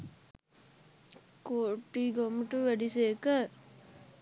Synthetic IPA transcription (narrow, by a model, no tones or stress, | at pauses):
koːʈːiɡomʈuʋæɖisekə